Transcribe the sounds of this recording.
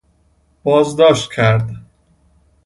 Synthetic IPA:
b̥ɒːzd̪ɒːʃt̪cʰæɾd̪

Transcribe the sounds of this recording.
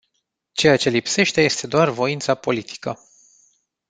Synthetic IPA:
t͡ʃe̞jat͡ʃe̞lipse̞ʃt̪e̞jest̪e̞d̪oarvo̞int̪sapo̞lit̪ʰi̥kə

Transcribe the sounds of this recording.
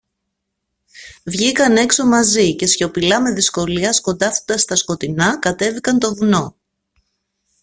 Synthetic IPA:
vʝikɐne̞kso̞mɐzice̞sço̞pilɐme̞ðisko̞liɐsko̞nd̪ɐfod̪ɐst̪ɐsko̞t̪inɐkɐt̪e̞vikɐnt̪o̞ðuno̞

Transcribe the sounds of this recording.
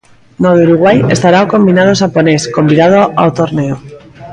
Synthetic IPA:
noðuɾuɣwaje̞st̪aɾaoko̞mbinaðoʃapone̞sko̞mbiðað̞oʔawt̪oɾneo

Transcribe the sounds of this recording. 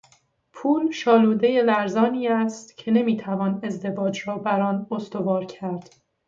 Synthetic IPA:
pʰuːlʃɒːluːd̪e̞je̞læɾzɒːniːæst̪cʰe̞ne̞miːt̪ʰævɒːne̞zd̪e̞vɒːd͡ʒɾɒːbæɾɒːnost̪o̞vɒːɾcʰæɾd̪̥

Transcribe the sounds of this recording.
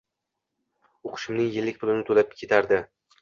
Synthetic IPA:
oqʰɨ̥ʃɪmnɪŋjɪlːɪk̚ʲpʰʊlˠɪnɪt̪ʰolap̚kʲʰe̞t̪ʰaɾd̪ɪ

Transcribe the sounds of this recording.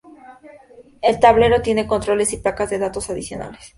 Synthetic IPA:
e̞lt̪aβle̞ɾo̞t̪je̞ne̞ko̞nt̪ɾo̞le̞siplakazðe̞ðat̪o̞saðisjo̞̰na̰les

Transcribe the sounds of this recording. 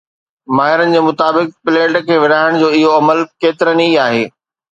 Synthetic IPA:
maːɦɪɾənɪ̆d͡ʑeːmʊt̪aːbɪk̚pɪleːʈkʰeːʋɪɽaːɪɽ̃d͡ʑoːɪɦoɐməlkeːt̪ɪɾəniaːɦeː

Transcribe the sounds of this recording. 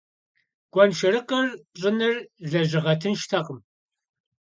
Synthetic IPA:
ɡ̥ʷɔnʃɪrɨqɐrpɕʼɪnɨrɮɐʑɪʁɐtʰɨnʃtʰɐqəm

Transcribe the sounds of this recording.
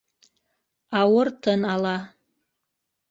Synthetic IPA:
awʊrtʰənala

